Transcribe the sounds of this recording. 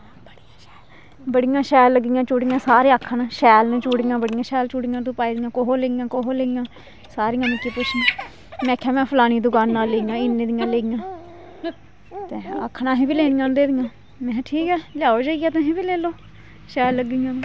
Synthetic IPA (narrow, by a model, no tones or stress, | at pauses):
bəɽːɛː | bəɽɪjãːʃɛːlːəɡijãːt͡ʃʊːɽijãːsaːɾeːakʰanãːʃɛːlñːt͡ʃuːɽɪjãːbəɽɪjãːʃɛːlt͡ʃuːɽɪjãːt̪ũːpaːiːd̪ɪjãːkoɦoːleːɡɪjãːkoɦoːleːɡɪjãː | saːɾijãːnɪkiːpʊt͡ʃʰːnãː | mɛ̃ːkʰjaːmɛ̃ːpʰəlaːniːd̪ʊɡaːnːaːlːeːɡɪjãːɪnːẽːd̪ɪjãːleːɡɪjãː | t̪eːa̰kʰːnãːɦĩːbiːleːnɪjãːnd̪eːd̪ɪjãː | mɛ̃ːʈʰiːkɛːlɪjaːoːd͡ʒaːiɡaːt̪ãːɦĩːbiːleːloː | ʃɛːlːəɡijãːnuː